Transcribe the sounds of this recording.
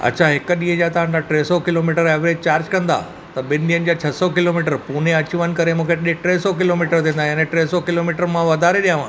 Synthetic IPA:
ɐ̰tːɕʰaɦɪkəɗĩːɦə̃d͡ʑat̪ɐʋ̤ãɳd̪aʈɾeːsɔkɪloːmiʈəɾeːʋɾed͡ʑt͡ɕaːɾd͡ʑkɐ̃nd̪a̰ː | t̪ɐɓɪnɗiənɪ̆d͡ʑaːt͡ɕʰɐsɔkɪloːmiʈəɾpuːn̤eɐt͡ɕʊʋən̆kɐɾemũːkʰeɗeʈɾeɦsɔkɪloːmiːʈəɾt̪ʰĩːnd̪aːɦnẽʈɾeɦsɔkɪloːmiːʈəɾmãʋɐd̪ʱaːɾeɗijãʋ̤ãː

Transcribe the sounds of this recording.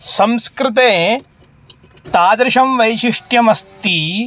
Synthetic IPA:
sɐmskɾɪt̪̬eː | t̪aːd̪ɾɪʃɐmʋɐjʃiʂʈjɐmɐst̪i

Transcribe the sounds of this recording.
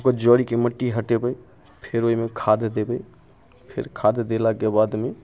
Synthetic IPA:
kɔd͡ʒɔɽikeməʈːiɦəʈebəj | pʰeɾoimekʰad̪d̪ebə | pʰḛɾkʰad̪d̪elakebad̪ʱme

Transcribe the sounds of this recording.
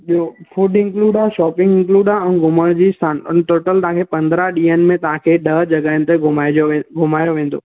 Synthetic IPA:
ɓiofʰuːɖɪ̃ŋkluːɖaʃɔːpɪ̃ŋɡɪ̃ŋkluːɖaɛnɡʱʊməɽ̃d͡ʑiːst̪ʰaːn̰ʈoːʈəlt̪ãkʰepɐ̃nd̪ɾaɗiːənmẽt̪ɐɦãkʰeɗəd͡ʑɐɡaɪ̃nt̪eɡʱʊmaoɡʱʊmaːjoʋẽːn̆d̪o̰ː

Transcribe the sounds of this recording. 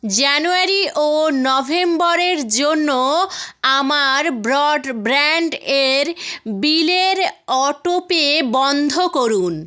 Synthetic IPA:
d͡ʑanuaɾiʔonɔbʱembɔɾeɾd͡ʑonːoamaɾbɾɔɖbɾaɳɖeɾbileɾɔʈopebɔnd̪ʱokoɾun

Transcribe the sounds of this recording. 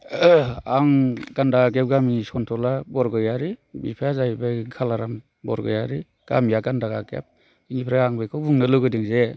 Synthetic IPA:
aŋɡ̥andaɡaɡep̚ɡamisɔntʰɔlabɔɾɡɯjaɾibḭpʰajazajbakʰalaɾam | bɔ̰ɾɡɯ̰jaɾi | ɡ̥a̰mijaɡandaɡaɡḛp̚ | inipʰɾaaŋbajkʰɔbɯŋnɯlɯɡɯdɯŋze

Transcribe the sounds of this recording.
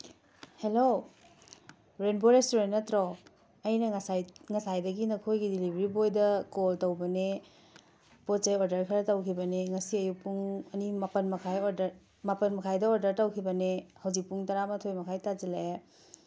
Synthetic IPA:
helo | ɾenboɾestoɾentnɐtɾo | ɐjnɐŋsajŋɐsajdɐɡinɐkʰojɡidilibʱɐɾibojdɐkoltɐwbɐne | pot͡ʃɐjoɾdɐɾkʰɐɾɐtɐwkʰibɐneŋɐsiɐjupuŋɐnimɐpɐnmɐkʰajoɾdɐɾ | mapɐnmɐkʰajdɐoɾdɐɾtɐwkʰibɐnehɐwzik̚puŋtɐɾamɐtʰojmɐkʰajtad͡ʒilae

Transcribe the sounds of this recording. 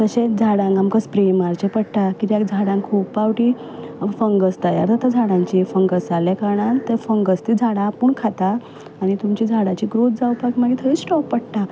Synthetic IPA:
t̪əɕẽd͡zʱaɽãŋkamkəspɾemaɾt͡ɕepəɽʈakit̪jakd͡zʱaɽãŋkʰuːpːawʈi | fəŋɡəst̪aja̰ɾt̪ət̪ʰad͡zʱaɽãɲt͡ɕifəŋɡəst͡saljekaɽãnt̪ːefəŋɡəst̪id͡zʱaɽãpuːɳkʰat̪aː | ɽ̃it̪umt͡ɕid͡zʱaɽat͡ɕiɡɾot̪̚d͡zawpakimaɡit̪ʰəiːsʈɔk̚pəɽʈ̪a

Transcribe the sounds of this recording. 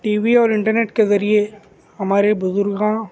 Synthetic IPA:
ʈiːʋiɔːɾɪ̃ɳʈəɾneːʈkezɐɾie | ɦɐmaːɾebʊzʊɾɡãː

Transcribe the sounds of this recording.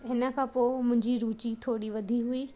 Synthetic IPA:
ɦɪnə̆kʰãːpoːmʊ̃ɦɪ̃ɲd͡ʑiɾuːt͡ɕit̪ʰoːɽiʋɐd̪ʱiɦʊiː

